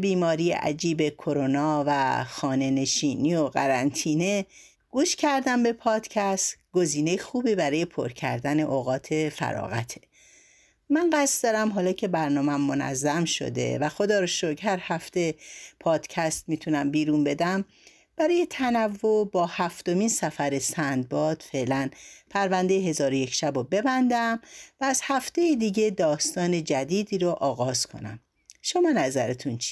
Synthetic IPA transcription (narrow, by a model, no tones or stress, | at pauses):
biːmɒːɾijḛʔæ̰d͡ʒiːbe̞kʰo̞ɾonɒːvæxɒːne̞ne̞ʃiːniːo̞ɣæɾænt̪ʰiːne̞ | ɡ̥uːʃcʰæɾd̪æmbe̞pʰɒːd̪̥cʰæst̪ɡ̥o̞ziːnejexuːbibæɾɒːje̞pʰo̰ɾcʰæ̰ɾd̪æne̞ʔoɣɒːt̪ʰe̞fæ̰ɾɒ̰ːɣæt̪ʰe̥ | mænɢæst̪d̪ɒːɾæmɦɒːlɒːcʰe̞bæɾnɒːmæmːo̞næ̰zːæmʃo̞̰d̪e̞̰væxo̞d̪ɒːɾoʃokhæɾhæft̪e̞pʰɒːd̪̥cʰæst̪miːt̪ʰunæmbiːɾunbe̞d̪æm | b̥æɾɒːje̞t̪ʰænævːobɒːhæft̪o̞miːnsæfæɾesænd̪̚bɒːd̪̥fe̞ʔlænpʰæɾvænd̪e̞jeɦe̞zɒːɾoje̞cʰʃæbobe̞bænd̪æmvæːz̥hæft̪e̞jid̪iːɟe̞d̪ɒːst̪ɒːned͡ʒæd̪iːd̪iːɾoʔɒːɣɒːz̥kʰo̰næ̰m | ʃomɒːnæzæɾet̪ʰunt͡ʃʰi̥